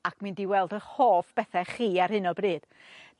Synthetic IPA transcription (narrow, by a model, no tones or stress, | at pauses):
akʰmɨndiwɛlˠdəhoːfb̥ɛθɛχiːarhɨnɔbrɨːd̥